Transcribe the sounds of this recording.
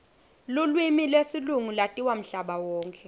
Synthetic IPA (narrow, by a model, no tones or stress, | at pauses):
lulwimilwesiluŋulatʼiwam̩ɬaɓawɔːŋkʰʼɛ